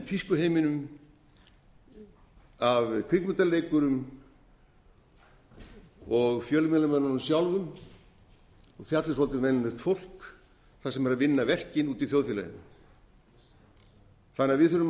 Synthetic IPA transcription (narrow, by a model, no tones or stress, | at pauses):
fiskʏɦeːjmɪnʏm | avkʰɾikmʏt̪alːejkʏɾʏm | ɔɣfjœːlʏmɛlamɛnaɾʏmsjawlvʏm | ɔɣθjat̪lɪsɔlt̪ɪvɛnanɛst̪fowl̥k | θasɛmɛɾaðvɪnːavɛr̥cɪnuːt̪iθjowðfɛla̰jɪ̰nːʏm | θanaðvɪðθʏɾʏm